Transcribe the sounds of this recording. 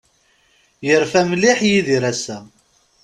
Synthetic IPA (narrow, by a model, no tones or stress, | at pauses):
jəɾfæmliħjiðiɾæsæ